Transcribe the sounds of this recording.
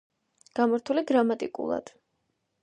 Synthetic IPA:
ɡ̥amaɾt̪ʰuliɡɾamat̪ʼikʼṵlˠa̰d̪̥

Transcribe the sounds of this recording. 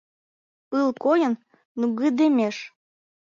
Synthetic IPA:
ɨlˠkojə̆nː | uɣid̪emʲeʃ

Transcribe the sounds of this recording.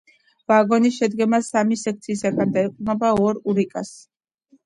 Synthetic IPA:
vaɡɔnisʃɛd̪ɡɛmasamisɛk̚ʰt̪sʰiːsaɡand̪aiqʼunɔbaɔɾuɾikʼas

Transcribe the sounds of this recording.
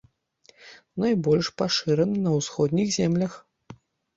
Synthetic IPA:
nɐjbɔlʲʂpaʂɨɾɛnɨnɐwsxɔd̪ʲnʲixzʲɛmlʲɐx

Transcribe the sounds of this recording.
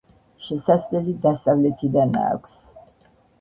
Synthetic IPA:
ʃɛsaslɛlid̪ast̪ʼavlɛt̪ʰid̪ana̰ːkʷʰs

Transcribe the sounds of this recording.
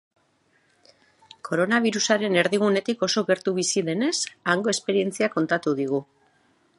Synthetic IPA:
kʰo̞ɾo̞naβ̞iɾusaɾe̞ne̞ɾðiɣ̞une̞t̪iko̞so̞ɣe̞ɾt̪uβisiðe̞ne̞saŋɡo̞e̞spe̞ɾie̞nt͡siako̞nt̪at̪uðiɣ̞u

